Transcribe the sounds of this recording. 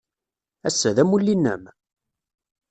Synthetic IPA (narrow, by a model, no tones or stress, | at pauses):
æsːæðæmulːinːæ̰m